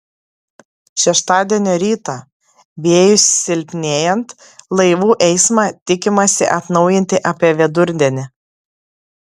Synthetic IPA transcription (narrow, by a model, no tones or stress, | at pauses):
ʃʲɛʃt̪ɑːd̪ʲiɛnʲoːɾʲiːt̪ɑ | bʲeːjʊsːʲɪlʲpʲnʲeːjɛnt̪ | lˠɐɪʋuːʔɛɪsmɑt̪ʲɪkʲɪmɐsʲɪʔɐt̪nɒʊjɪnʲt̪ʲɪʔɐpʲiɛʋʲɛd̪ʊɾʲd̪ʲɛnʲɪ